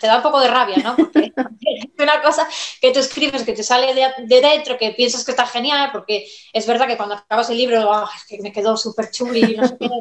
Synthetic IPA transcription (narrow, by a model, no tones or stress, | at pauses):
t̪e̞ðaumpo̞ko̞ðe̞raβ̞jano̞poɾkeesunako̞saket̪ueskɾiβesket̪esaleðed̪e̞ðe̞nt̪ɾoke̞pje̞nsaske̞st̪axe̞njalpo̞ɾke̞ezβe̞ɾðake̞kwand̪oakaβase̞lːiβ̞ɾoaeskeme̞ke̞ðo̞supe̞ɾt͡ʃulinoseke